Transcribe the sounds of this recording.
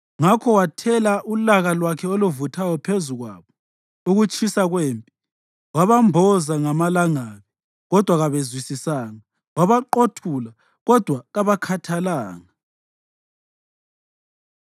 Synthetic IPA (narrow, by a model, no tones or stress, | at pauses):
ŋakʰɔwatʰɛlaʔulaɣalwakʰɛoluvutʰajɔpʰezuɣwa̰ːβɔ | uɣut͡ʃʼʰisaɣweːmpʼi | waβambʱɔzaŋamalaŋaːβi | ɣɔd̥ʱwaɣaβezwisisaːŋa | waβaǃotʰula | ɣɔd̥ʱwaɣaβakʰatʰalaːŋa